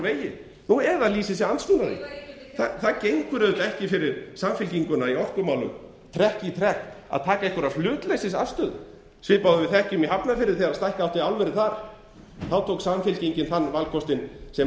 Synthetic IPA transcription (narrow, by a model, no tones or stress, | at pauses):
veːjɪ | nuɛðaðliːsɪsɛansvʏnaðɪ̰ | θaθaðcejŋkʏɾœðʏt̪aɛhcɪfɪɾɪɾsamfɪlciŋkʏnaiɔr̥kʏmaːwlʏ̰m | t̪ʰɾɛhcɪit̪ʰɾɛhka̰ðt̪ʰaːkaejhkvʏɾaflʏːt̪lejsɪsa̰̥st̪œːð | svɪpaːwðʏvɪθɛhcɪʏmiɦapnafɪɾɪɾ̥θiaðst̪ajhkawht̪ɪalvɛɾɪθaɾ̥ | θawt̪ʰoːwksamfɪlciɲcɪnθanːvalkʰɔst̪ɪnsɛ